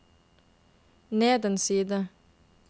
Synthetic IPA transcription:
nɛːd̪ənsiːd̪ə

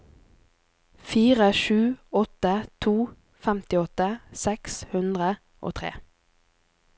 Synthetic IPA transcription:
fiːʁəʃʉːɔt̪ət̪ʰuː | fɛmt̪ɪɔt̪əsɛkshʉnd̪ʁə | ʔo̰ːt̪ʰʁḛː

